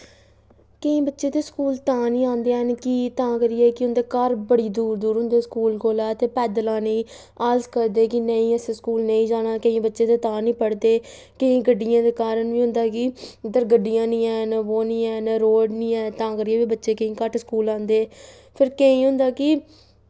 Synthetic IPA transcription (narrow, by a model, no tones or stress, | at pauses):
kəĩːbətːʃeːt̪eːskuːlt̪ãːnĩːãːnd̪eːaːnkiːt̪ãːkəɾɪɛːkɪɦʊnd̪eːkəɾbəɽiːd̪uːɾd̪uːɾɦʊ̃nd̪eːskuːlkoːlɛːt̪eːpɛːd̪lãːnẽː | aːzkəɾd̪eːkɪnəĩːɛseːskuːlnə̃ĩːd͡ʒaːnãːkəĩːbətːʃeːt̪eːt̪ãːnĩːpəɽd̪eː | kəĩːɡəɖːɪjãːd̪eːkaːɾənʋiːɦʊ̃nd̪aːkɪd̪əɾɡəɖɪjãːnĩːɛːnaʋoːnĩːɛːnaɾoːɖnĩːɛːt̪ãːkəɾɪɛːbiːbətːʃeːkəĩːkəʈskuːlãːnd̪eː | pʰɪɾkəĩːɦʊ̃nd̪aːkɪ